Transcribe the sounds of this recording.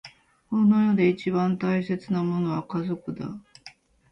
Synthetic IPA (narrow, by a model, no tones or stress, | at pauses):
kono̞jo̞d̪e̞it͡ɕibãnt̪aise̞t͡sɨnamo̞no̞βakazo̞kɯ̟d̪a̰